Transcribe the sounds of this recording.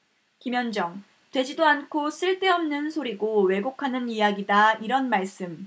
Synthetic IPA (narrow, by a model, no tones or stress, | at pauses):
kimjʌnd͡ʑʌŋ | twe̞d͡ʑidoankʰos͈ɯɭt͈e̞ʌmnɯnsʰoɾiɡowe̞bokʰanɯnijaɡidaiɾʌnmaɭs͈ɯm